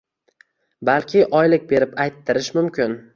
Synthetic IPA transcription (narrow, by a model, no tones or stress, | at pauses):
balˠkʲʰɪʔɒjlɪk̚ʲbe̞ɾɪpajt̪ʰːɪɾɪʃmʊmkʲɪn